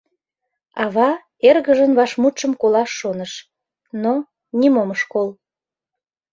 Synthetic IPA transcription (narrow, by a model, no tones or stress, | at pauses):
ɑβɑ | erɣəʒənβɑʃmut̪ʃəmkolɑʃːonəʃ | no | nimoməʃkol